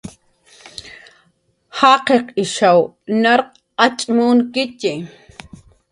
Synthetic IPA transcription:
hɑːqeqɪʃaw | naɾq̚ | at͡ʃʼmuːnkɪcɪ

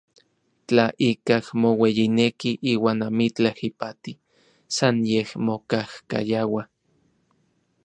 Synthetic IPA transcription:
t͡ɬaʔikahmowejinekiʔiːwaːnamit͡ɬahipat̪i | sanjehmokahka̰jawa

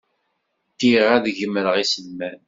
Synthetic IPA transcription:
t̪ːiʁæðʝəmːəɾəʁisənːæn

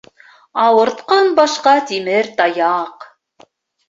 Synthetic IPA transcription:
ɑwɤ̆ɾt̪qɑnbɑʃqɑt̪imɘɾt̪ɑjɑq

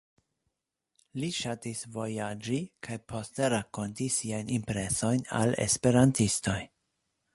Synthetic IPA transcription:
liʃatisvo̞jad͡ʒikʰajpʰo̞ste̞ɾako̞ntisiajnimpɾe̞so̞jna̰le̞̰spe̞ɾantisto̞j

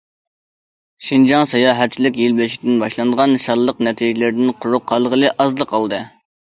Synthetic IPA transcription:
ʃind͡ʒɑŋsɑjɑːɦæt̪̚t͡ʃʰilɪkʲjilbɪlʃi̥kʲd̪ɪnbɑʃlˠɑnəʁɑnʃɑɾlˠːəqnɛt̪ʰiʒilɪɾd̪ɪnqʰʊɾʊqʰːɑlˠəʁəlˠɨʔɑzlˠəqʰːɑlˠd̪ɨ

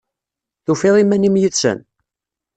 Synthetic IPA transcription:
θufeðˤimænimjət͡sːə̰n

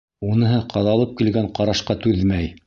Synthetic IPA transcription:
unɤ̆ɦɤqɑðɑlˠɤp̚kilɡæɴqɑɾɑʃqɑt̪ʉðmæj

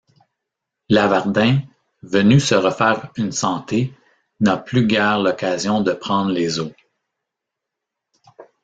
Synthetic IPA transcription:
lavaʁd̪ɛ̃ | vənysəʁəfɛːʁynsɑ̃t̪e | naplyɡʲɛːʁlɔkazjɔ̃d̪əpχɑ̃ːd̪ʁlezo

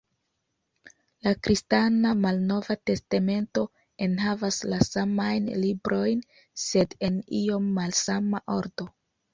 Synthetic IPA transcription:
lakɾʔistanamalno̞vate̞stame̞nto̞ | e̞nɦavaslasamajnlibɾo̞jn | se̞de̞niomːalsamaʔo̞ɾdo̞

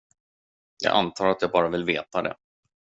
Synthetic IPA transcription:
jɑ̰ːʔa̰nt̪ʰɑːɾat̪jɑːɡbɑːɾavɪlveːt̪ad̪ɛ̰

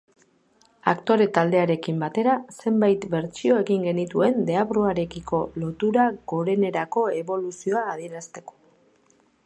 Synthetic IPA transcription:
akt̪o̞ɾe̞t̪ald̪e̞aɾe̞kimbat̪e̞ɾase̞mbajt̪be̞ɾt͡ʃio̞e̞ɣiŋɡe̞nit̪ue̞nd̪e̞aβɾuaɾe̞kiko̞lo̞t̪uɾaɣo̞ɾe̞ne̞ɾako̞e̞βo̞lusio̞aːð̞ie̞ɾast̪e̞ko̥

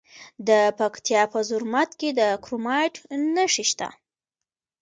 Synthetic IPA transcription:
d̪əpakt̪jɑpəzʊɾmat̪ked̪əkɾomɑjʈnəʂiʃt̪a̰

